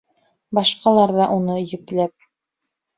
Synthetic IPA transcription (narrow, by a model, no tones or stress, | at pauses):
bɑʃqɑlˠɑɾðɑʔunɤjɵ̆plæp̚